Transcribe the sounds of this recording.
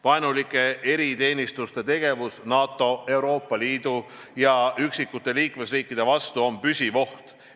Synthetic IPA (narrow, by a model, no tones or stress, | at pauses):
vɑjnulikːˑe̞e̞ɾit̪e̞ːnʲist̪ust̪e̞t̪e̞ɡe̞vusnɑːt̪ːˑo̞e̞uwɾo̞ːpˑːɑliːd̪̥u | jɑyksikːˑut̪ːˑe̞liːkme̞sriːkːˑid̪̥e̞vɑst̪uo̞mpysʲivo̞ht̪